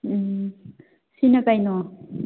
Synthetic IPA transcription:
sinapajno

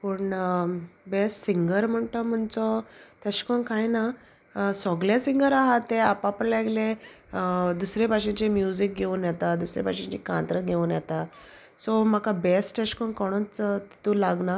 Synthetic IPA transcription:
pəɳ | besʈsiŋɡəɾm̤əɳt̪əm̤əɳt͡sɔt̪ɛɕkɔnkajna | sɔɡljasiŋɡəɾaɦat̪ːeapapəɳlaɡlẽ | d̪usɾepaɕĩɲt͡ɕemjud͡zik̚ɡʱeunjɛt̪ad̪usɾḛpaɕẽɲt͡ɕḭkã̰nt̪ɾəɡʱeunjɛt̪a | sɔm̤akabesʈɛɕkɔnkɔɽ̃ɔ̃t͡st̪i̥t̪ulaɡna

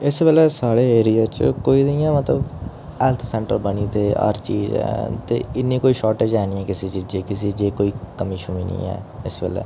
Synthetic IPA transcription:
ɪsbelɛːsaːɽeːeːɾijaːt͡ʃkoːiːd̪əjãːmət̪ləb | ɛːlt̪ʰsɛ̃ːɳʈə̰ɾbəniːt̪eːə̰ɾt͡ʃiːzɛ̰ːt̪ḛːɪnːiːkoːiːʃɔːʈeːd͡ʒɛːniːɛːkɪseːd͡ʒeːd͡ʒeːkɪseːd͡ʒeːkoːiːkəmiːʃʊmḭːnḭ̃ːɛ̰ːɪsbḛːlɛ̰ː

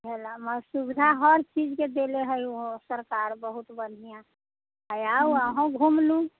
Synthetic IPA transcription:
elaməsubd̪ʱaɦəɾt͡ʃid͡ʒked̪eleɦəjuɦõsəɾkaːɾbəɦut̪bənijã | ɦəjauəɦõɡʱumlũ

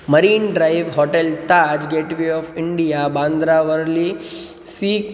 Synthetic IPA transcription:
məɾiːnɖɾaiʋɦɔʈelt̪ad͡ʒɡeːʈʋiɔfɪɳɖijabãːnd̪ɾaʋəɾli | siːk

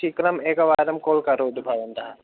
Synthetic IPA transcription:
ikɾɐmeːkɐʋaːd̪ɐmkoːlkɐɾoːd̪ubʱɐʋɐnt̪ɐɦ

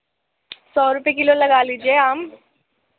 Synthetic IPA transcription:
sɔːɾʊpekɪlolɐɡaːliːd͡ʒieaːm

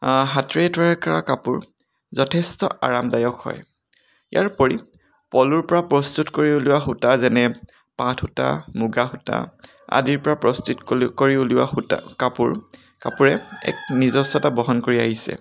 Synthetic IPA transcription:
ɦatɹetɔɹakaɹakapuɹ | zɔtʰɛstɔ̰ʔa̰ɹamdajɔkhɔ̰j | jʔa̰ɹpoɹi | pɔluɹpɔɹapɹɔstutkoɹiuluwaxutazɛnɛ | patʰuta̰muɡaxuta̰ | a̰diɹpɔɹapɹɔstutkoɹiuliwa̰xuta̰kapuɹ | kapuɹɛɛ̰k̚nizɔsɔtabɔɦɔnkoɹiaɦisɛ̰

